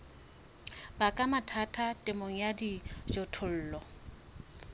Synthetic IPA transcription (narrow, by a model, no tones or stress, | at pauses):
bakʼamatʰatʰatʼɪmoŋ̩jadid͡ʒotʰʊl̩ːlɔ